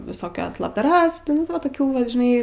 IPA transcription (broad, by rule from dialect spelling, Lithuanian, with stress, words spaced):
ʋʲɪsoːˈkʲɛs lˠɐbdɐˈrɐs nʊ ˈʋɐ toːˈkʲuː ʋɐt ʒʲɪˈnɐɪ